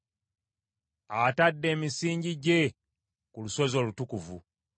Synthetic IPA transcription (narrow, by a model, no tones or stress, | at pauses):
atadːe̞ːmisiːɲɟiɟe̞ | kuluswe̞zo̞ːlutukuvṵ